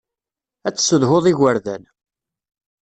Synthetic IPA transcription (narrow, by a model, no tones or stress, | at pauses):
æt͡sːsəðɦoðˤiɣəɾðæ̰n